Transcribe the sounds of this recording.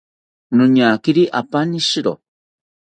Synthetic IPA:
nũɲakiɾiʔapaniʃiɾo̰

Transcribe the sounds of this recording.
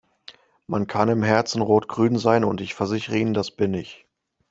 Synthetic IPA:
mankʰanɪmɦɛɐt͡sn̩ʁoːtɡ̥ʁyːnzaɪnʊntɪçfɛɐzɪçəʁəiːnəndasb̥ɪnɪç

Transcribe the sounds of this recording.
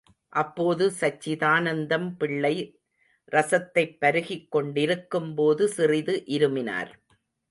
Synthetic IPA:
ʔɐpːoːðɯsɐt͡ʃːɪðaːnɐnd̪ɐmpɪɭːɐɪ | ɾɐsɐt̪ːɐɪpːɐɾɯɣɪkːɔɳɖɪɾɯkːɯmpoːðɯsɪrɪðɯʔɪɾɯmɪna̰ːɾ

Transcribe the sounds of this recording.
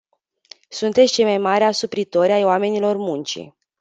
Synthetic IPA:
sunt̪et̪sʲt͡ʃejmajmaɾeasupɾit̪o̞ɾʲajoame̞nilo̞rmunt͡ʃḭ

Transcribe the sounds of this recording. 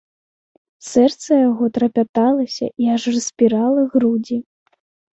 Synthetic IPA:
sɛrt̪sɐjaɣɔt̪ɾɐpʲat̪alˠɐsʲɐ̰ʔiɐʐrɐsʲpʲiɾalˠɐɣɾud͡zʲi

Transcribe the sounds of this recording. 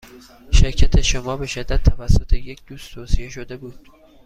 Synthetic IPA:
ʃeɾcʰæt̪ʰe̞ʃomɒːbe̞ʃed̪ːæd̪̚t̪ʰːævæsːo̞t̪ʰe̞je̞cʰd̪̥uːst̪t̪ʰoːsije̞ʃo̞d̪e̞buːd̪̥

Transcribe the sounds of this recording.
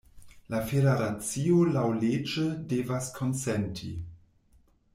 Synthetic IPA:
lafeɾeɾat͡siolawled͡ʒədevaskʰonsɛntʰḭ

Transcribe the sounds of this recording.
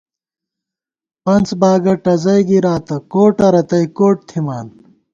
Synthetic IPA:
pɐnt͡sbaːɡɐʈɐzɐjɡiɾaːt̪ɐkoːʈɐɾɐt̪ɐjkoːʈ̚t̪ʰimaːn

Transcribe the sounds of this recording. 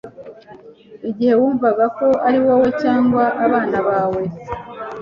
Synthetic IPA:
iɟihe̞wuːɱvaɡako̞ʔaɾiwawe̞caːŋɡwaʔaβaːnaβaːwe̞

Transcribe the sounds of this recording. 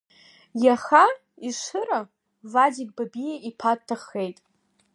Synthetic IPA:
jaχa | iʂɨɾa | vad͡ʒik̚ʼbabijaʔipʰatʰːaχe̞jtʼ

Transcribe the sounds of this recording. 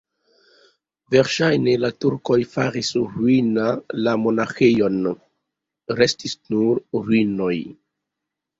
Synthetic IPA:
ve̞ɾʃajne̞latuɾko̞jfaɾisɾuinalamo̞naxejo̞n | ɾe̞stisnuɾɾwino̞j

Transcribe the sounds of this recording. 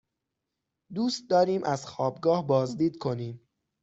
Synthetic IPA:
d̪uːst̪̚d̪ɒːɾiːmʔæzxɒːbɡɒːhbɒːzd̪iːd̪̚kʰo̞niːm

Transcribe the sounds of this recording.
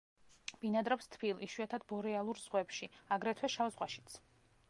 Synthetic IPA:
b̥inad̪ɾɔpst̪ʰbilˠiʃwuat̪ʰad̪bɔɾɛalˠuɾz̥ʁwɛpʃiaɡɾɛt̪ʰwɛʃavzʁwaʃi̥t̪sʰ

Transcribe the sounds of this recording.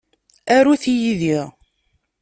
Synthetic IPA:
æɾuθijiðiʁ

